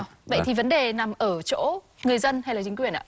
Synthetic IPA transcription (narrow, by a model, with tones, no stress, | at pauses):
ɓə̰˧˨jt̪ʰi˨˩və˨˦nɗe˨˩na˨˩mʔəː˧˩t͡ɕo̰˧˥ | ŋɨ˨˩əjzə˧nha˧jlaː˨˩t͡ɕï˨˦ŋ̟wi˨˩ənʔa̰ː˧˦